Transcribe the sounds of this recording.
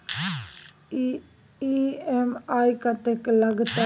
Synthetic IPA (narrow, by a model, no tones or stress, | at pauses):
iemajkɐt̪eklɐɡt̪a